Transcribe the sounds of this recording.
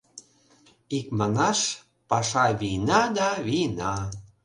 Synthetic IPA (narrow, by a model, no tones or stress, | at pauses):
ik̚mɑnɑʃ | pɑʃɑβinɑd̪ɑβinɑ